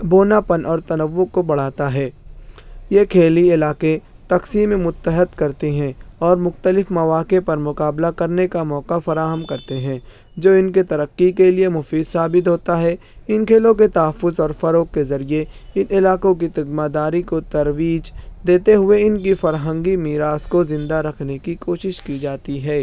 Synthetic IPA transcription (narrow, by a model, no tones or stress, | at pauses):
boːnapənʔɔːɾt̪ɐnəʋːʊkobɐɽ̤aːt̪aɦɛː | jeːkʰeːliɪlaːke | t̪ɐqsiːmẽmʊt̪ːəɦət̪kɐɾt̪iɦɛ̃ɔːɾmʊxt̪əlɪfmɐʋaːkepɐɾmʊqaːblakɐɾnekamɔːkafɐɾaːɦəmkɐɾt̪eɦɛ̃ː | d͡ʒoːɪnket̪ɐɾəqːikeliemʊfiːd̪saːbɪt̪̬ɦoːt̪aɦɛ | ɪnkʰeːlõk̬et̪ɐɦəfːʊzɔːɾfɐɾoːkːezɐɾieɪnɪlaːkõk̬it̪ɪɡmaːd̪aːɾikot̪ɐɾwiːd͡ʒd̪eːt̪eɦʊeɪnkifɐɾɦə̃ŋɡimiːɾaːskozɪ̃nd̪aɾɐkʰnekikoːʃɪʃkid͡ʒaːt̪iɦɛː